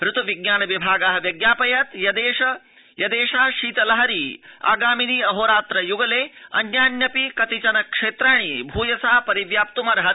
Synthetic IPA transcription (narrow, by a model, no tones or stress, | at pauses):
ɾut̪ɐʋiɡjaːnɐʋibʱaːɡɐɦɐ̆ʋjɐɡjaːpɐjɐt̪jɐd̪eːʂɐ | jɐd̪eːʃaːʃiːt̪ɐlɐɦɐɾiːa̰ːɡaːminiːɐɦoːɾaːt̪ɾɐjuɡɐleːɐ̰njaːnjɐpikɐt̪it͡ʃɐnɐkʂeːt̪ɾaːɳ̃ibʱuːjɐsaːpɐɾiʋjaːp̚t̪umɐɾɐɦɐt̪̚